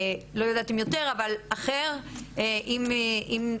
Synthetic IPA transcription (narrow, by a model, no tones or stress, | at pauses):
lo̞jad̪aːt̪emjot̪e̞ʁavalaχeʁʔimʔim